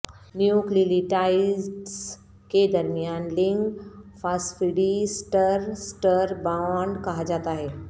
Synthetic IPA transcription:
njukliliʈaizɖs | ked̪əɾmijaːnlɪ̃ŋɡfasʈfiɽisʈəɾsʈəɾbawɳɖkɐɦad͡ʒaːt̪aɦɛː

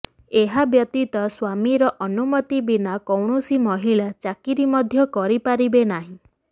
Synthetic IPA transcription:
eɦabjɔt̪it̪ɔswamiɾɔʔɔnumɔt̪ibinakɔwɳusimɔɦiɭat͡ʃakiɾimɔd̪ʱjɔkɔɾipaɾibenaɦĩ

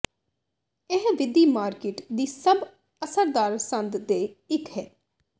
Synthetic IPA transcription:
ɪɦʋɪd̪iːmaːɾkɪʈd̪iːsəb | əsəɾd̪aːɾsə̃nd̪d̪eːɪkɦɛː

